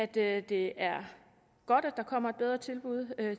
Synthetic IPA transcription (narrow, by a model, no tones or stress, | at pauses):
æd̥ød̥e̝æɐ | ɡ̥ɒ̽d̥ɒd̥ɑ̈kʰɒ̽m̰ɐed̥̚beð̞ˠʁɐt͡sʰe̝lb̥uð̞̰ˠø